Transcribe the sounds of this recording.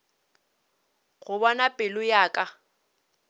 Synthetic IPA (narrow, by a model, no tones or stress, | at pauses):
ɣʊbɔnapʼɪlʊjaːkʼa